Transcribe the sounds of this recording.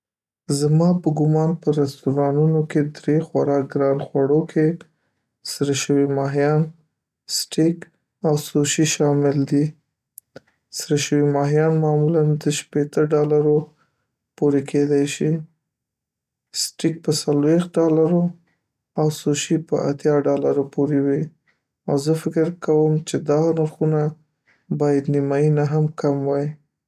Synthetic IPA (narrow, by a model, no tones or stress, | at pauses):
zmɑpəɡʊmɑnpəɾast̪uɾɑnunoked̪ɾexwaɾɑkɡɾɑnxwaɽokʰe | sɾəʃəwimɑɦijɑn | sʈik | awsoʃiʃɑmɪld̪i | sɾəʃəwimɑɦijɑnmɑmuland̪əʃpet̪əɖɑlaɾo | poɾekʰed̪ajʃi | sʈik̚pəsalwext̪̚ɖɑlaɾo | awsoʃipə̰ʔa̰t̪jɑɖɑlaɾopoɾewi | awzəfɪkɪɾkawəmt͡ʃed̪ɑnaɾxuna | bɑjad̪nimɑjinaɦamkamwaj